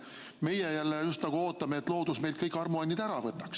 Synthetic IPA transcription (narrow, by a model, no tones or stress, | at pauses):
me̞jejælːejust̪nɑɡ̥uoːt̪ːˑɑmeːt̪ːˑlo̞ːd̪̥usme̞jld̪̥̚kɤjkːˑɑrmuɑnʲːid̪̥æɾɑvɤt̪ːˑɑks